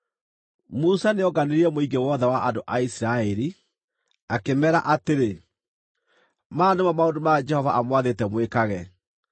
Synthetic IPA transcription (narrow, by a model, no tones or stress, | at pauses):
musaneɔɡaneɾiɛmoiɡewɔðɛwaʔandoʔaisiɾaɛɾi | akemɛɾa̰ʔateɾe | maːnemamaondomad͡ʒɛhɔvaʔamwaðetɛmwekaɣɛ